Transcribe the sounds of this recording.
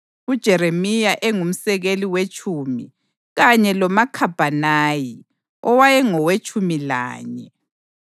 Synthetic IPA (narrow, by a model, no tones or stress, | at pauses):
ud̥ʒ̥ʱɛɾemijaʔɛŋum̩sɛɣeliwet͡ʃʼʰumi | ɣaɲɛlɔmakʰab̥ʱanaːji | ɔwajɛŋɔwet͡ʃʰʼumila̰ːɲɛ